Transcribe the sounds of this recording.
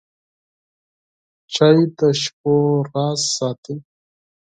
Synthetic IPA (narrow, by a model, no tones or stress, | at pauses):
t͡ʃajt̪aʃp̚oɾɑsːɑːt̪i